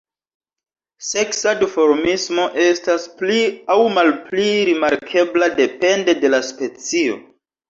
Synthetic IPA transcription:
se̞ksadifo̞ɾmismo̞ʔe̞staspliawmalpliɾimaɾkʰe̞blade̞pe̞nde̞de̞laspe̞t͡sio̞̰

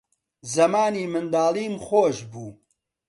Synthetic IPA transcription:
zɐmaːniːmɨnd̪aːlˠiːmχoːʒbuː

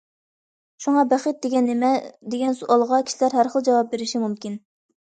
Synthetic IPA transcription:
ʃuŋɑbæχət̪̚d̪eɡʲɛnːɪmɛd̪eɡʲɛnsuɑlˠʁɑkʲʰi̥ʃilæɾɦæɾχəlˠd͡ʒɑwɑp̚beɾɪʃimumkʲin

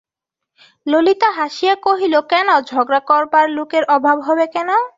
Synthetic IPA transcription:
lolit̪aɦaʃijakoɦilokɛnod͡ʑʱɔɡɾakɔɾbaɾlokeɾʔɔbʱabɦɔbekɛno

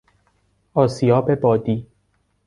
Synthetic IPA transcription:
ɒːsiɒːbebɒːd̪iː

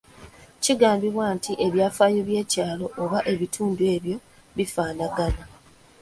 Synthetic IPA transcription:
ciɡaːmbiβwaːntiʔe̞βjaːfaːjo̞βje̞ːcaːlo̞ʔːβaʔe̞βitʰuːndue̞ːβjo̞ | βifaːnaɡana

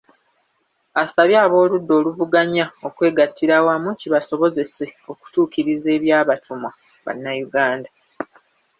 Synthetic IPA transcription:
asaβjaːβo̞ːludːo̞ːluvuɡaɲao̞kwe̞ːɡatːiɾawaːmuciβaso̞βo̞ze̞se̞o̞ku̥tuːkiɾize̞ːβjaːβatʰuma | βa̰nːajuɡaːnda

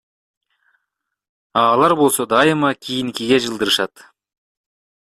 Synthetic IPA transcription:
ɑlˠɑɾbo̞lˠsɑd̪ɑjəmɑkʲʰejɪnkʲʰeɡʲeʒəlˠd̪əɾəʃɑt̪

